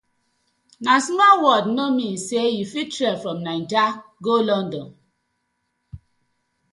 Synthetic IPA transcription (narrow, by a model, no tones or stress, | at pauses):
nansmɔwɔdnomin̩sejifitɾɛfɹɔ̃mnãntaɡolɔndɔn